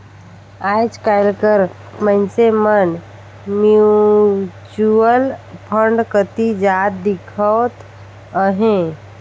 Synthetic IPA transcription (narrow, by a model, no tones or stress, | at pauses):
aːd͡ʒkajlkəɾ | mənsemən | mju | t͡ʃuəlpʰəɳɖkət̪id͡ʒaːt̪̚d̪ɪkʰət̪ | əɦẽ